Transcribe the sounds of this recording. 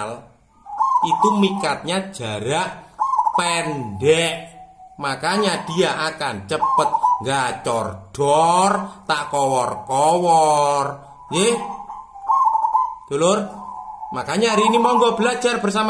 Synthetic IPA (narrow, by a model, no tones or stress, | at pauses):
l | it̪umikat̪̚ɲḁʒ̥a̤ɾaʔpɛndɛʔmakaɲad̥i̤jaʔakant͡ʃəpət̪̚ŋɡat͡ʃɔrɖ̥ɔrt̪aʔkɔwɔrkɔwɔr | je | d̪̥ulʊrmakaɲaɾinimɔŋɡɔb̥əlad͡ʒarb̥ərs̬ama